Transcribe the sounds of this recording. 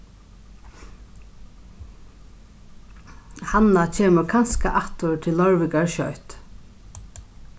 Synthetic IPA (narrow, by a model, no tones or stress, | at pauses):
hanat͡ʃʰeːmʊɹkʰanskaʔaht̪ʊɹt̪ʰɪlːɔɹʋɪkaɹʃœjt̪